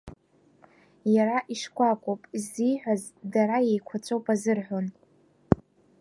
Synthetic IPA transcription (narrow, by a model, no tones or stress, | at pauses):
jaɾaʔiʂkʷʰʼakʷʼopʼiziħʷᶣaz | daɾajejkʷʰat͡sʷʰʼowpʼazɨrħʷon